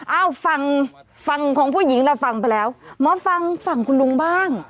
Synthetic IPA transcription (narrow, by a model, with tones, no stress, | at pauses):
ʔaː˧˩wfa˧ŋfa˧ŋkʰɔː˨˩˦ŋpʰuː˥˩ji˩˦ŋɾaː˧wfa˧˩ŋp̬a˧jlɛː˦˥wmɔː˦˥fa˧ŋfa˧˩ŋkʰu˧nlu˧ŋbaː˥˩ŋ